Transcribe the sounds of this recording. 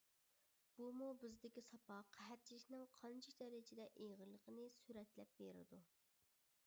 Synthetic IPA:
b̥umubɪzd̪ɪkʲisɑpʰɑqʰæɦæt̪̚t͡ʃʰilɪʃʲnɪŋqʰɑnt͡ʃʰid̪ɛɾɪd͡ʒɪd̪ɛʔejʁəlˠːəqʰənɨsyɾɛt̪lɛp̚beɾɪ̰d̪u

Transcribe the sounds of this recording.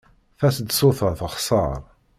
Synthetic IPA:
θæsd̪sʊθəɾθəχsˤɑɾˤ

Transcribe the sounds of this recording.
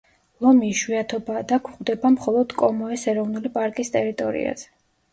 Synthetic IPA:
lˠɔmiʃwiat̪ʰɔbaːd̪akʰuχʼwd̪ɛbamχɔlˠɔd̪̥kʼɔmɔɛsɛɾɔvnulipʼaɾkʼist̪ʼɛɾit̪ʼɔɾḭa̰z̥ɛ̥

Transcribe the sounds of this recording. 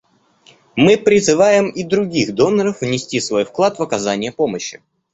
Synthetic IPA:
mɨpɾʲɪzɨvajɪmid̪ɾʊɡʲixd̪o̞nːəɾəfvnʲɪsʲtʲisvo̞jfklˠat̪vəkɐzanʲɪjəpo̞məɕːɪ

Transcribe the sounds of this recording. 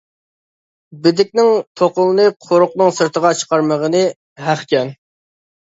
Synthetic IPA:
bɪd̪ɪk̚ʲnɪŋt̪ʰoqʊlˠɨnɨqʰoɾʊqnɨŋsɨɾt̪ʰəʁɑt͡ʃʰə̥qʰɑɾməʁənɨ | hæχkʲɛn

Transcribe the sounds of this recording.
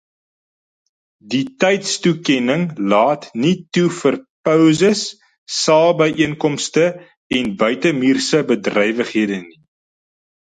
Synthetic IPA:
ditɛjtstukɛnəŋlɑːtnitufərpœwzəsː | ɑːlˠbəjʔiənkɔmstə | ɛnbœɥtəmiːrsəbədrɛjvəχɦiədəni

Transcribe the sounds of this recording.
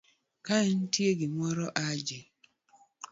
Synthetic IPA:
kaɛn̩tjeɡɪmɔɾɔʔad͡ʒe

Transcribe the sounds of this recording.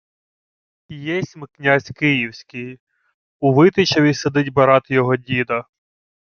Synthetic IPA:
ijɛsʲmɪknʲazʲkɪjiwsʲkʲɪj | uʋɪt̪ɪt͡ʃɐʋʲised̪ɪdʲbɐɾɑt̪ɪjɔɦɔdʲid̪ɐ

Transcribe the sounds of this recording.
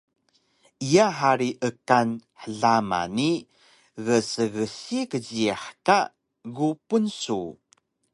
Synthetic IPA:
ijaħaɾiʔəkanħəɮama̰ni | ɣəsəɣəsikəziaħka | ɣupunsu

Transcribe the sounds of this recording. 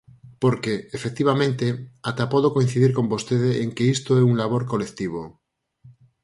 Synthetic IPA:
poɾkeefek̚t̪iβ̞amẽnt̪eat̪apoðokoĩn̟θiðiɾko̞mbost̪eð̞eeŋkeist̪oeuŋlaβ̞oɾkolekt̪iβ̞o

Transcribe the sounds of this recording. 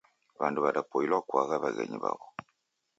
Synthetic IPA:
βanduβaɾapoilwakwaɣaβaɣeɲiβa̰βo

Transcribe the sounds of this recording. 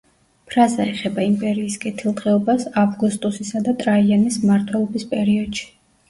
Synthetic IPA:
pʰɾazaɛχɛbaimpʼɛɾiːskʼɛt̪ʰilˠt̪ʼɛɔbasavɡust̪ʼusisad̪at̪ʼɾaianismaɾt̪ʰwɛlˠɔbispʼɛɾiɔd̪̥ʃi̥

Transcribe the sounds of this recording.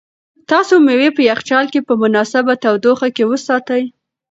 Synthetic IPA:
t̪ɑsomewepəjaχt͡ʃɑlkepəmʊnɑsabat̪awd̪oxakewəsɑt̪əj

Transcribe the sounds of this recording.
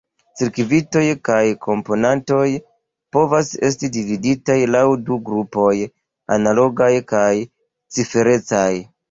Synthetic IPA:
t͡siɾkvito̞jkajkʰo̞mpo̞nanto̞j | po̞vase̞̰stidividitajlawduɡɾupo̞j | a̰nalo̞ɡajkaj | t͡sife̞ɾe̞t͡saj

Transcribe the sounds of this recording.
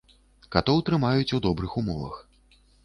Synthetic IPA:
kat̪ɔwt̪ɾɨmajut͡sʲud̪ɔbɾɨxumɔvɐ̰x

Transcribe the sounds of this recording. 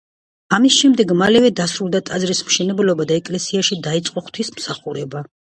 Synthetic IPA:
amisʃɛmd̪ɛɡmalɛvɛd̪asɾulˠd̪at̪ʼad̪zɾismʃɛnɛblɔbad̪aɛkʼlɛsiaʃid̪ait̪sʼqʼɔχt̪ʰwismsaχuɾɛba

